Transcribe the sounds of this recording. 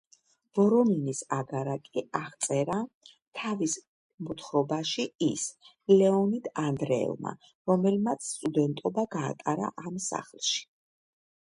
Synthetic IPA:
vɔɾɔminisaɡaɾakʼiaʁt̪sʼɛɾa | t̪ʰavis | mɔt̪ʰχɾɔbaʃiis | lɛɔnid̪and̪ɾɛɛ̰lˠma̰ | ɾɔmɛlmat̪sʰst̪ʼud̪ɛnt̪ʼɔbaɡa̰ːt̪ʼaɾa̰ʔamsa̰χlˠʃi̥

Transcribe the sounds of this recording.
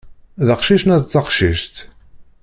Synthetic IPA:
ðəqʃiʃnæðt͡sːəqʃiʃt̪

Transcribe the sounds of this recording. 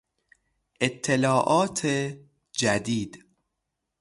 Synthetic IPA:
ʔet̪ʰːelɒːʔɒːt̪ʰe | d͡ʒæd̪iːd̪̥

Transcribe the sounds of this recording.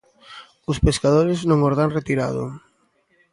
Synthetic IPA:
ʊspeskaðoɾɪznõŋoɾðaŋret̪iɾa̰ðʊ̰

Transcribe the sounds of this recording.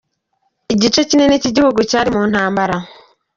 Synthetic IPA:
iɟit͡ʃecine̞neciɟihuɡucaːɾimuːn̥haːmbaɾa

